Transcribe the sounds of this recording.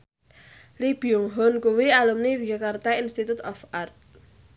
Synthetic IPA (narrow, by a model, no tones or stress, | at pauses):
lib̥iɔŋɦɔnkuwialumnid͡ʒakart̪ainst̪it̪ut̪ɔfart̪̚